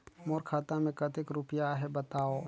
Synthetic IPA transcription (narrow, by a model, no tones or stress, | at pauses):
moːɾkʰaːt̪ãmẽkɐt̪ɪkɾʊpjaɦɛbət̪aːo